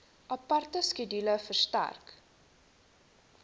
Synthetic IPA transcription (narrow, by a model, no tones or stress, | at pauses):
ʔɐpɐrtəskidiləfərstæ̰rk